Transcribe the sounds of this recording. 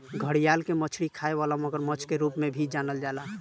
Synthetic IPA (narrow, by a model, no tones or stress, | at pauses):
ɡʱəɽijalkemət͡ʃʰɽikʰaeβalaməɡəɾmət͡ʃʰkeɾupmebʱid͡ʒanəld͡ʒala